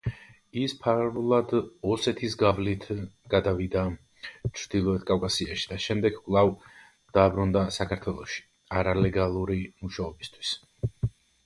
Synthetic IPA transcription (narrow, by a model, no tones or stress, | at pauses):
ispʰaɾvlˠad̪ɔsɛt̪ʰisɡavlit̪ʰɡ̥ad̪avid̪a | t͡ʃʰɾd̪ilˠɔɛt̪ʰkʼavkʼasiaʃi̥d̪aʃɛmd̪ɛɡkʼlˠav | d̪̥aːbɾund̪asakʰaɾt̪ʰwɛlˠɔʃi̥ | aɾalɛɡalˠuɾimuʃaɔbist̪ʰwi̥s